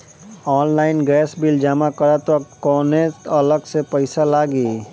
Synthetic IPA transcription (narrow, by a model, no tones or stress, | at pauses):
ɔːnlaːɪnɡɛːsbild͡ʒaːmakəɾat̪okɔːneɐləɡsepəɪsalaːɡiː